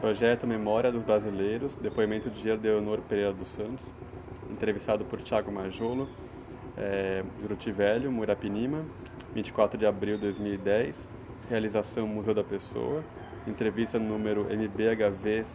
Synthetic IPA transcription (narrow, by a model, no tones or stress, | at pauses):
pɾoʒɛt̪ɐmemɔɾiɐd̪ʊzbɾazilejɾʊsd̪epoimẽnt̪ʊd͡ʒɪʒieɾd̪eonoɾpeɾejɾɐd̪ʊsɐ̃nt̪ʊ̥s | ḛ̃nt̪ɾevist̪ad̪ʊpʊɾt͡ʃiaɡʊmaʒolʊ | ɛɾut͡ʃivɛljʊmuɾapinĩmɐ | vĩnt͡ʃɪ̥kwat̪ɾʊd͡ʒɪabɾiwd̪ojzmiwid̪ɛjs | healizasɐ̃w̃muzewd̪ɐpeso̰wɐ | ẽnt̪ɾevist̪ɐnũmeɾʊʔḛmibeaɡave